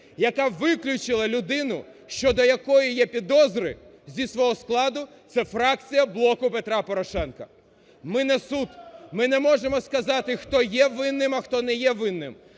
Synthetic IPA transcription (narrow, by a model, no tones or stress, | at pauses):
jɐkɑʋɪklʲʊt͡ʃɪlˠɐlʲʊd̪ɪnʊʃt͡ʃɔd̪ɔjɐkɔjijɛpʲid̪ɔzɾɪ | zʲisʋɔɦɔsklˠɑd̪ʊ | t̪sɛfɾɑk̚t͡sʲijɐblˠɔkʊpe̞t̪ɾɑpɔɾɔʃɛnkɐ | mɪnɛsut̪mɪnɛmɔʒemɔskɐzɑt̪ɪxt̪ɔjɛʋɪnːɪmɐxt̪ɔnɛjɛʋɪnːɪ̰m